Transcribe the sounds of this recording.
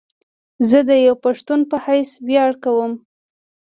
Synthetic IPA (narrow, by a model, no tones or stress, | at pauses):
zəd̪əjawpaʂt̪unpəhajswjɑɽkawəm